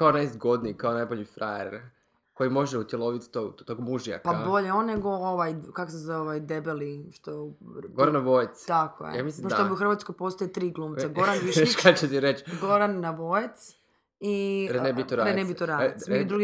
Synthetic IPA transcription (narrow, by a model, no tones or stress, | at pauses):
kaonajst̪ɡo̞d̪nikaonajboʎifɾaḛɾ | ko̞jimo̞ʒeut̪jelˠoʋit̪t̪oɡt̪oɡmuʒija̰kpabo̞ʎeonːe̞ɡo̞oʋajkakosezaoʋajd̪ebeliʃt̪oɡoɾanːaʋojt̪st̪ako̰jḛja̰mislipoʃobiuxr̩ʋat̪skojpo̞st̪ojet̪ɾiːɡlˠuːmsaɡo̞ɾanʋiʃʃt̪at͡ɕet̪iɾet͡ʃɡo̞ɾanːaʋo̞jet̪s | iɾenebit̪oɾaːɾenebit̪oɾaemid̪ɾuɡi